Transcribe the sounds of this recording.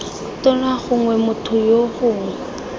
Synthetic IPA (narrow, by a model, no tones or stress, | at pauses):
tɔnaχʊŋwɛmʊtʰʊjoχʊːŋɛ